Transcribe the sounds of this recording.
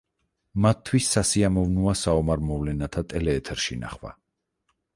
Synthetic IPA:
mat̪ʰːwisːasiamɔvnuasaɔmaɾmɔvlɛnat̪ʰat̪ʼɛlɛːt̪ʰɛɾʃina̰χwa̰

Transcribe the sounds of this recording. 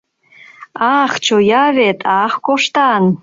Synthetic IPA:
ɑχt͡ɕojɑβet̪ʰɑxkoʃt̪ɑn

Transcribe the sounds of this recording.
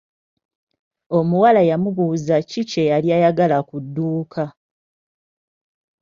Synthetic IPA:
o̞muwalajamuβuːzacicejaljajaɡalakudːuːkʰa

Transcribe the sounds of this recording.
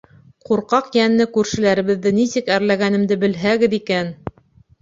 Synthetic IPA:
quɾqɑqjænːɘkʉɾʃɘ̆læɾɘ̆βɘ̆ðːɘnisɘkæɾlæɡænɘ̆md̪ɘbɘ̆lɦæɡɘðikæn

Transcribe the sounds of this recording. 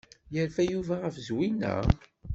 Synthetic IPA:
jəɾfæjuvæʁəfzwinæ̰

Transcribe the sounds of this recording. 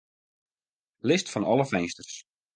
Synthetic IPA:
lɪstfɔnɔlˠəfɛnstərs

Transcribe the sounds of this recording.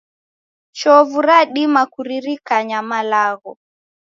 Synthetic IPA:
t͡ʃɔvuɾaɗimakuɾiɾikaɲamalaɣɔ

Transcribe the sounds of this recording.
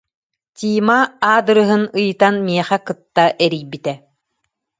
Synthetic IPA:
t̪ʲiːmaaːd̪ɯɾɯɦɯnɯjɯt̪anmiɛχɛkɯt̪ːaʔɛɾijbit̪ɛ

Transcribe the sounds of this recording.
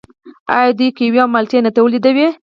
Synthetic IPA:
a̰jɑd̪ujkejweamalt̪jenat̪awəlid̪awe

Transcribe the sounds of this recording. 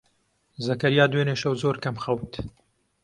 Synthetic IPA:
zɐkɐɾijaːd̪weːneːʃɐwzoːɾkɐmxɐwt̪

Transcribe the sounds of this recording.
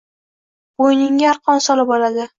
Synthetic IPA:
bojnɪŋʲaɾqʰɒnsɒlɪbɒlad̪ɪ

